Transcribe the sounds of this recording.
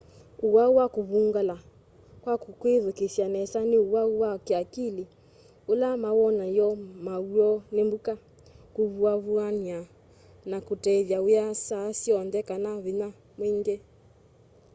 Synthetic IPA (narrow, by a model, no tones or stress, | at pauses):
uwauwakoβuŋɡala | kwakukweðokesjanɛsaneuwauwakeakili | olamawɔnajɔmauɔnembuka | kuβuaβuania | nakotɛðjaujasasiɔndɛkanaβina | mweŋɡɛ